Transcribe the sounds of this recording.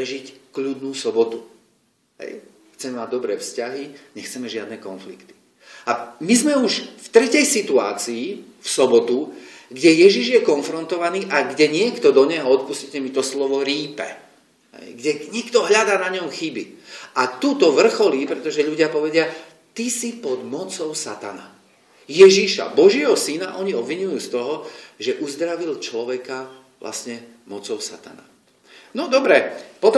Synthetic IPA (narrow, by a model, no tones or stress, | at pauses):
pɾɛʒickʎuːd̪nuːsɔbɔt̪u | ɦɛ̰j | xt͡sɛmɛmaɟ̚d̪ɔbɾɛːfscaɦiɲɛxt͡sɛmɛʒɪad̪nɛkɔnflḭkt̪i̥ | amizmɛuʒft̪ɾɛcɛjsit̪ua̰ːt͡siː | fsɔbɔt̪u | ɡɟɛjɛʒiʒjɛkɔnfɾɔnt̪ɔʋaniːʔaɡɟɛɲɪɛkt̪ɔd̪ɔɲɛɦɔɔt̪̚puscicɛmit̪ɔslɔʋɔɾiːpɛ̰ | ɦɛ̰jɡɟɛɲikt̪ɔɦʎad̪aːnaɲɔmxibiat̪ut̪ɔʋr̩xɔliːpɾɛt̪ɔʒɛʎuɟɪapɔʋɛɟɪa | t̪isipɔd̪mɔt͡sɔʊsat̪a̰na | jɛʒiʃa̰bɔʒɪɛɦɔsinaʔɔɲiɔbʋiɲujuːst̪ɔɦɔʒɛʔuzd̪ɾaʋilt͡ʃlɔʋɛka | ʋlʔa̰sɲɛ | mɔt͡sɔʊsa̰t̪a̰na̰ | nɔd̪ɔbɾɛpɔt̪ɔ